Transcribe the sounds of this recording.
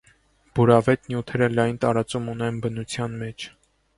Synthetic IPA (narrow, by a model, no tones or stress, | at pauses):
b̥uɾɑvɛt̪njut̪ʰɛɾəlɑjnt̪ɑɾɑt͡sumunɛnbənut͡sʰjɑnmɛt͡ʃʰ